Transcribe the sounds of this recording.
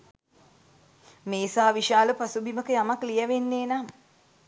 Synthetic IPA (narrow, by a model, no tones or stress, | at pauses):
meːsaːʋiʃaːləpasubiməkəjamaklijəʋenːeːnaŋ